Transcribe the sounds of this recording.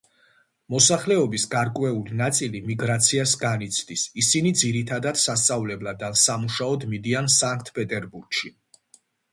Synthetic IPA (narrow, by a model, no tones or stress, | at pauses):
mɔsaχlɛɔbisɡaɾkʼwɛulinat̪sʼilimiɡɾat̪sʰiasɡanit̪sʰd̪isisinid̪ziɾit̪ʰad̪ad̪̥sast̪sʼavlɛblad̪ansamuʃaɔd̪mid̪iansaŋk̚ʰt̪ʰpʼɛt̪ʼɛɾbuɾɡʃi